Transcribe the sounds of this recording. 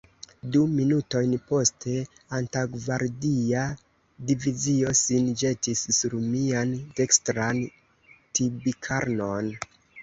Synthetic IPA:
duminuto̞jnpo̞stʰe̞ | antaɡvaɾdia | divizio̞sind͡ʒe̞tisːuɾmiantekstɾan | tibikʰaɾno̞n

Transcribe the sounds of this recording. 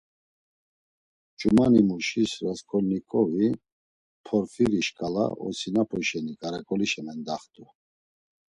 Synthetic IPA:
t͡ʃʼumanimuʃisɾaskʼɔlnikʼɔvi | pʰɔɾfiɾiʃkʼala̰ɔ̰sinapʰɔʃɛnikʼaɾakʼɔliʃɛmɛnd̪aχt̪ʼu

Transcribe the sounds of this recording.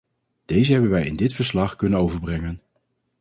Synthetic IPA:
d̥ejzəɦɛbənʋɛjɪ̰ndɪtfəɹslɑχkɵnənowvəɹbrɛŋən

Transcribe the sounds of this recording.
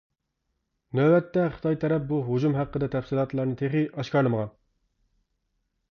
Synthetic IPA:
næwɛt̪ːɛχə̥t̪ʰɑjt̪ʰɛɾɛp̚buɦod͡ʒumɦæqːəd̪ɛt̪ʰɛfsilˠɑt̪lˠɑɾnɨt̪ʰeχiʔɑʃkɑɾlˠɨməʁɑn

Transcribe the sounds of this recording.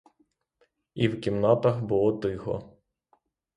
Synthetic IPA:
iwkʲimnɑt̪ɐxbʊlˠɔd̪ɪxɔ̰

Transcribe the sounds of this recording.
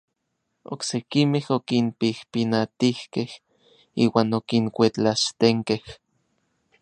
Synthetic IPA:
o̰ksekimehokinpihpinat̪ihkeh | ḭːwaːnokiŋkʷet͡ɬaʃt̪eŋkeh

